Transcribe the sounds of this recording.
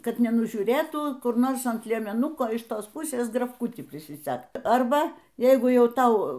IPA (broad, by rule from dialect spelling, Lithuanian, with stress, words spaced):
ˈkɐt nʲɛnʊʒʲuːˈrʲeːtuː ˈkʊr ˈnoːrs ɐnt lʲiɛmʲɛˈnʊkoː ɪʃ ˈtoːs ˈpʊsʲeːs ɡrɐfˈkʊtʲiː pʲrʲɪsʲɪˈsʲɛkt ˈɐrbɐ ˈjɛɪɡʊ ˈjɛʊ ˈtɐʊ